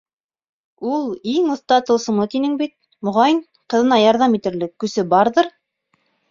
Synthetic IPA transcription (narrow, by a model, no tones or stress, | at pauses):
ulˠiŋŏθt̪ɑt̪ɤ̆lˠsɤ̆mlˠɤt̪inɘŋbit̪̚ | mŏʁɑjɤɴ | qɤ̆ðɤ̆nɑjɑɾðɑmit̪ɘ̆ɾlɘkːɵ̆sɘbɑɾðɤɾ